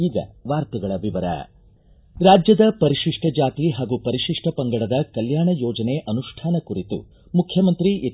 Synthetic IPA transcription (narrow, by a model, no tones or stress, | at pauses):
iːɡɐ̰ʋaːɾt̪uɡɐɭɐʋiʋɐɾɐ̰ | ɾaːd͡ʒjɐd̪ɐpɐɾiʃiʂʈʰɐd͡ʒaːt̪iɦaːɡupɐɾiʃiʂʈʰɐpɐŋɡɐɽɐd̪ɐkɐljaːɳɐjɔːd͡ʒɐneʔɐnuʂʈʰaːnɐkuɾit̪ṵ | mukʰjɐmɐnt̪ɾiʔi